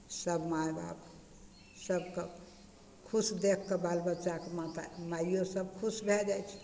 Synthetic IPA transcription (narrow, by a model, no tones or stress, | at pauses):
səbmajba̰b | səbke | kʰusd̪ekʰːəbalbətːt͡ʃakemat̪a̰maijosəb̚kʰusbʱed͡ʒajt͡ʃʰi̥